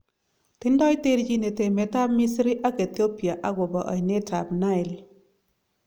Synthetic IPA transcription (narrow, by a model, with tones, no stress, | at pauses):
t̪ɪ˦ndɔ˦ɪ˦te˦ɾd͡ʒi˦ne˨te˨mɛ˨ta˦bmi˦sɾi˦ʔa˦ke˨t̪i˦o˦pi˨a˨ʔa˦ɡɔ˨bɔ˨ʔa̰˨i˨ne˦ta˨bna˦ɪ˨l